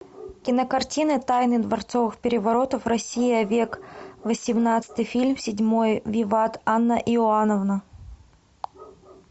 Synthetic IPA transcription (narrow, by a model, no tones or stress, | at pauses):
kʲɪnəkɐrtʲinɨt̪ajnɨd̪vɐrt̪sovɨxpʲɪɾʲɪvɐɾo̞t̪əfrɐsʲijɪɐvʲekvəsʲɪmnat̪sɨ̥t̪ɨjfʲilʲmsʲɪdʲmo̞jvʲɪvat̪anːəʔɪʊanəvnə